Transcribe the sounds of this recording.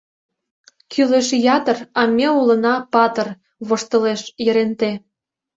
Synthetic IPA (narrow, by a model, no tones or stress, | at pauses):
kʰyleʃjɑt̪ə̆rɑmʲeulə̆nɑpɑt̪ər | βoʃt̪ə̆leʃjə̆ɾent̪e